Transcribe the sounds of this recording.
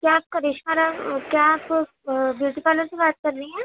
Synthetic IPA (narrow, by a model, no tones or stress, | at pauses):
kjaːp̚kɐɾeʃaːɾakjaaːp | bjuʈipaːloɾsebaːt̪̚kɐɾːɐiɦɛ̃ː